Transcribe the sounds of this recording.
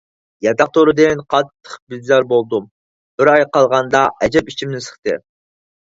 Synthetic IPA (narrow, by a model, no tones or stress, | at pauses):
jɑt̪ɑq̚t̪ʰoɾɨd̪ɨnqʰɑt̪ʰːə̥qbizɑɾbolˠd̪um | b̥ɪɾɑjqɑlˠʁɑnd̪ɑʔɛd͡ʒɛpit͡ʃʰimnɪsə̥χt̪ɨ̰